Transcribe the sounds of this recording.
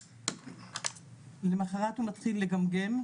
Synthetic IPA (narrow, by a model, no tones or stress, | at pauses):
lemaχaʁathumat̪χilːe̞ɡamɡem